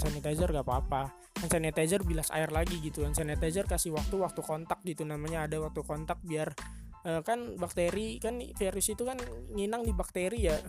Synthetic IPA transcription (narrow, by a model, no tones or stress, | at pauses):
sanit̪ad͡ʒərɡapaːpa | ant͡ʃanet̪ad͡ʒərbilasa̰ɪrlaɡiɡit̪uansanɛt̪ad͡ʒərkasihwak̚t̪uwak̚t̪ukɔnt̪ak̚ɡit̪unamaɲaːdawak̚t̪ukɔnt̪ak̚biar | əːkanbak̚t̪eɾikanfeɾʊsit̪ukanŋinaŋdibak̚t̪eɾija